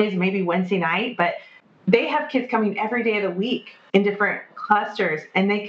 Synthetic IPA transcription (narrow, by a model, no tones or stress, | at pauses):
ɪzmeɪbiwɛ̃nzdeɪnaɪt̚b̥ʌt̪̚ | ðeɪəv̥kʰɪdz̥kʰʌ̃mɪ̃ŋʔɛvɹideɪʌvðəwik | ɨ̃ndɪfɹɨ̃nkʰl̥ʌstə˞z̥ɨ̃nðeɪk